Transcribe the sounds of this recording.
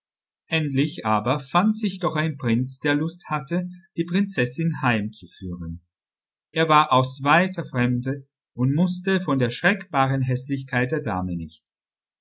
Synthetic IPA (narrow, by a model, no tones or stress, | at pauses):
ʔɛntlɪçʔaːbɐfantz̥ɪçd̥ɔχaɪnpʁ̥ɪnt͡sd̥eːɐlʊsthatəd̥iːpʁ̥ɪnt͡sɛsɪnhaɪmt͡sufyːʁən | ʔeːɐvaːɐʔaʊsv̥aɪtʰɐfʁ̥ɛmdə | ʊntmʊstəfɔndeːɐʃʁ̥ɛkb̥aːʁənɦɛslɪçkʰaɪt̚d̥eːɐda̰ːmənɪçt͡s